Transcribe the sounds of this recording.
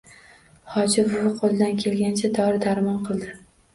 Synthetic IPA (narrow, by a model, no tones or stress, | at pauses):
hɒd͡ʒɪbʊvɪqʰolˠɪd̪ankʲʰe̞lɡʲant͡ʃʰad̪ɒɾɪd̪aɾmɒnqʰɨlˠd̪ɪ